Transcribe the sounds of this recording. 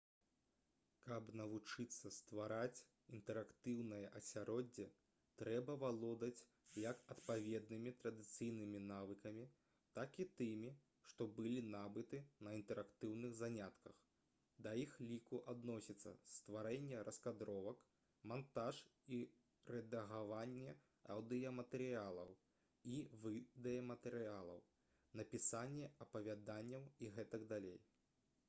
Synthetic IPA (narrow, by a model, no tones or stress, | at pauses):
kɐbnɐvut͡ʂɨt̪sːɐst̪vaɾat͡sʲ | int̪ɛɾakt̪ɨwnɐjɐʔɐsʲaɾɔd͡zʲːɛ | t̪ɾɛbɐvalˠɔd̪ɐt͡sʲ | jɐkɐt̪pavʲɛd̪̚nɨmʲit̪ɾɐd̪ɨt̪sɨjnɨmʲinavɨkɐmʲi | t̪akit̪ɨmʲi | ʂt̪ɔbɨlʲinabɨt̪ɨnɐint̪ɛɾakt̪ɨwnɨɣzanʲat̪kɐx | d̪ɐjixlʲikuʔad̪nɔsʲit̪sːɐ̰st̪vaɾɛnʲːɛɾʔɐskad̪ɾɔvɐk | mant̪aʂi | ɾɛd̪ɐɣavanʲːɛ | ɐ̰wd̪ɨjɐmɐt̪ɛɾɨalˠɐ̰w | ivɨd̪ɛjɐmɐt̪ɛɾɨalˠɐ̰w | nɐpʲisanʲːɛɐpɐvʲad̪anʲːɐwiɣɛt̪ɐɡd̪alʲḛj